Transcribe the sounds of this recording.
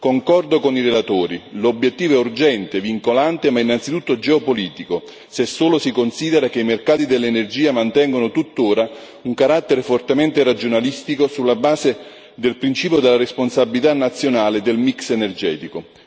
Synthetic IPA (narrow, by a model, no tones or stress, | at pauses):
koŋkɔrd̪okonirelat̪oːɾilobːjet̪ːiːvoɛurd͡ʒɛnt̪eviŋkolant̪emainːant̪sit̪ut̪ːod͡ʒɛopoliːt̪iko | sesːoːlosikonsiːd̪eɾak̟eimerkaːt̪id̪elːenerd͡ʒiːamant̪ɛŋɡonʊt̪ut̪ːoːɾa | uŋkaɾat̪ːeɾefort̪ement̪eɾad͡ʒonalist̪ikosulːabaːze | d̪elpɾint͡ʃiːpjod̪elːaresponsabilit̪anːat̪sːjonaːled̪elmiksenerd͡ʒɛːt̪iko